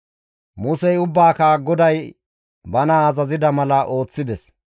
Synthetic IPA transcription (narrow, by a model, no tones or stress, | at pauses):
mʊsɛjʊbːaːkaɡɔd̪ɐj | bɐnaːzɐzɪd̪ɐmɐlɐʔo̞ːt͡sːɪd̪ɛs